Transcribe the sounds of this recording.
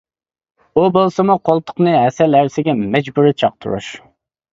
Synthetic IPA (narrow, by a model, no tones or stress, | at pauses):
ubolˠsɨmuqʰolˠt̪ʰʊ̥qnɨɦɛsɛlæɾsɪɡʲɛmɛd͡ʒbuɾɪt͡ʃʰɑq̚t̪ʰʊ̰ɾṵʃ